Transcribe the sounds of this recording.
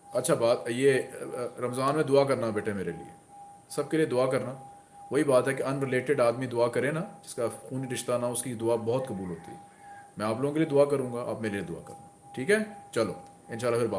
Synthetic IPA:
ɐtːʃʰabaːt̪jeːɾɐmzaːnmẽd̪ʊakɐɾnaɦɛbeːʈʰeɦɛmeːɾelḭḛ | sɐb̚kelied̪ʊakɐɾna | ʋoɦibaːt̪ɦɛkeɐnɾɪleːʈɪɖaːd̪mid̪ʊakɐɾẽnad͡ʒɪskaxuːniɾɪʃt̪anaʊskid̪ʊabɐɦʊt̪kɐbuːlɦoːt̪ḭɦɛ̰ | mɛ̃aːploːɡõkelied̪ʊakɐɾũːŋɡaʔa̰ːpmeːɾelied̪ʊa̰kɐ̰ɾna | ʈʰiːkɦɛːt͡ʃɐlo̰ː | ɪnʃaːlːafɪɾbaː

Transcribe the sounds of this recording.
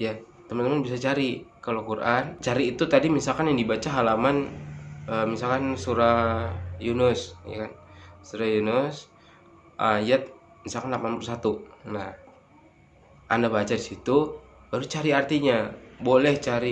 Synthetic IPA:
ja | t̪əmənəmanbisat͡ʃaɾikalokurʔant͡ʃaɾiːt̪ut̪adimisalkanjaŋdibat͡ʃaɦalaman | əmisalkansuɾajunʊsja̰kansuɾajunʊs | ʔajat̪̚ | misalkanlapanpulusat̪unah | ʔandabat͡ʃadisit̪ub̥aɾut͡ʃaɾiart̪iɲabolɛht͡ʃaɾi

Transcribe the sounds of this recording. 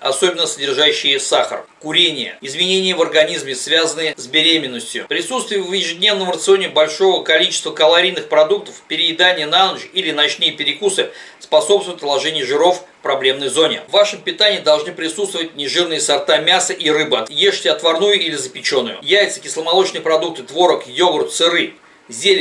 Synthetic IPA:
ɐ̰so̞bʲɪnːəsədʲɪrʐaɕːɪjɪsaxə̰rkʊɾʲenʲɪjə̰ɪzmʲɪnʲenʲɪjəvərɡɐnʲizmʲɪsvʲazənɨjəzbʲɪɾʲemʲɪnːəsʲtʲjʊ̰pɾʲɪsut̪st̪vʲɪjʊvjɪʐɨdʲnʲe̞vnəmrət̪sɨo̞nʲɪbɐlʲʂo̞vəkɐlʲit͡ɕɪ̥st̪vəkəlˠɐɾʲijnɨxpɾɐd̪uk̚t̪əfpʲɪɾʲɪɪd̪anʲɪjənɐanʐilʲɪnɐt͡ɕnɨjəpʲɪɾʲɪkusɨspɐso̞pst̪vʊjɪt̪lˠɐʐɛnʲɪjʐɨɾo̞f | pɾɐblʲe̞mnəjzo̞nʲɪ̰vːaʂɨmpʲɪt̪anʲɪjɪd̪ɐlˠʐnɨpɾʲɪsut̪st̪vəvətʲnʲɪʐɨrnɨjəsɐrt̪amʲasəʔirɨbɨɐt̪jeʂtʲɪɐt̪vɐrnujʊilʲɪzəpʲɪt͡ɕo̞nːʊjʊ̰jajɪt̪sɨ̥kʲɪslˠəmɐlˠo̞t͡ɕnɨjpɾɐd̪uk̚t̪ɨt̪vo̞ɾəkjo̞ɡɾʊt̪sɨɾɨ | zʲelʲ

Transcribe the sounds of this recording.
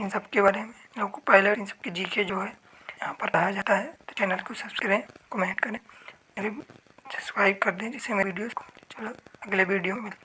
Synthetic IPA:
ɪnsɐbkebaːɾemẽɐbkopaːɪleʈɪnsɐ̥b̚ked͡ʒiːked͡ʒoːɦɛ | jɐɦãpɐɾkɐɦad͡ʒaːt̪aɦɛt̪o̥t͡ʃɛːnəlkosɐskɐɾẽkəmẽːɳʈkɐɾẽmeːɾe | sɐ̥skɾaːɪbkɐɾd̪ẽɦɛ̃d͡ʒɪsemeʋiːɖijosko̥t͡ʃɐloɐɡlebʱiːɖijomɪl

